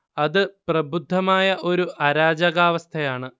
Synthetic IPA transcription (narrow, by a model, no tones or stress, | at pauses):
ɐðɨprɐbud̪ʱːɐmaːjɐʔo̞ɾuʔɐɾaːd͡ʑɐɣaːʋɐst̪ʰɐjaːɳɨ